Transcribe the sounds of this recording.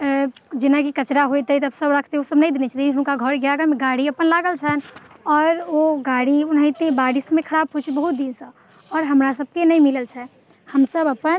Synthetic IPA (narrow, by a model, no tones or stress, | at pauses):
d͡ʒɪnakikət͡ʃɾaɦojt̪əit̪əbsəbɾəkʰt̪eosəbnə̃ĩd̪enet͡ʃʰat̪iɦnkaɡʱɔɾɡjaɡameɡaɽiəpənlaɡəlt͡ʃʰənɔːɾoɡaɽiunĩt̪ebaɽismẽkʰəɾab̚kʰot͡ʃʰibəɦut̪̚d̪insə̃ | ɔːɾɦəmɾasəb̚kenəĩmiləlt͡ʃʰɛ | həmsəbəpən